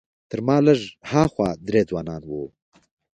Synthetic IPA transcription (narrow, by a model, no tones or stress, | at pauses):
t̪əɾmɑːləʐhɑːxwɑːd̪ɾeːd͡zwɑːnɑːnwo